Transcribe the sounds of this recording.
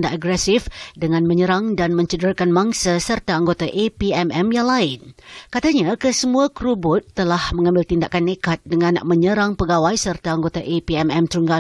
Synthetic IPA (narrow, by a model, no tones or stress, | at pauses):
ndaʔaɡɾɛsɪfdəŋãnmə̃ɲəɾaŋdanmə̃ɲt͡ʃədəɾakanmaŋsasərt̪aːŋɡot̪aʔepiɛmɛmjaŋlaɪnkat̪aɲakəsəmũakɾubʊt̪ːəlahmə̃ŋãmbɪlt̪indaʔkanːekat̪̚dəŋãnməɲəɾaŋpəɡawajsərt̪aːŋɡot̪aʔepiɛmɛmt̪ɾuŋɡa